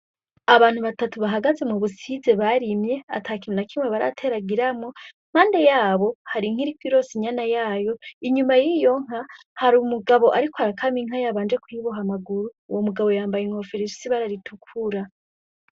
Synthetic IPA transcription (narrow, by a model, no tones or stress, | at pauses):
aβaːn̥huβatatuβaɦaɡaze̞muβusize̞βaɾimje̞a̰tʰaːkiminakimweβaɾa̰tʰe̞ɾaɡiɾamo | m̥haːnde̞jaːβo̞haɾiŋ̥iɾikwiɾo̞siɲanajaːjo̞iɲumajiːjo̞ŋ̥ɦa | haɾumuɡaβo̞ʔaɾikoaɾakʰamiŋ̥ajaβaːnd͡ʒe̞kwiβoɦamaɡuɾuːwomuɡaβo̞jaːmbajeŋhofeɾizsiβaɾaɾitʰukʰuɾa